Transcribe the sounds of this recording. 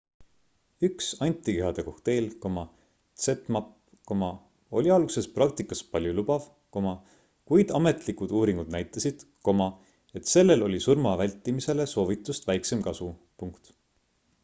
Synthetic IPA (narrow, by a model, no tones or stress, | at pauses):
yksɑnʲt̪ʲːˑikeɦɑd̪̥e̞ko̞ht̪e̞ːlko̞mɑ | t̪set̪ˑmɑp | komɑ | olʲiɑlɡ̥use̞sprɑk̚t̪ikːˑɑspɑlʲjulubɑv | ko̞mɑ | kujd̪̥ɑme̞t̪likud̪̥uːɾiŋɡ̥ud̪̥̚næjt̪ˑːɑsid̪̥ko̞mɑ | e̞t̪se̞lːe̞lo̞lʲisurmɑvælʲt̪ːˑimise̞le̞so̞ːvit̪ːˑust̪væjkse̞mkɑsu | puŋkt̪